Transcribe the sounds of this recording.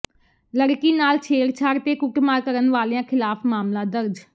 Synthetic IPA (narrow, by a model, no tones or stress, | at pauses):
ləɽkiːnaːlt͡ʃʰeːɾt͡ʃʰaːɾt̪eːkʊkmaːkəɾənʋaːleãːkʰɪlaːpʰmaːmlãːd̪əɾd͡ʒ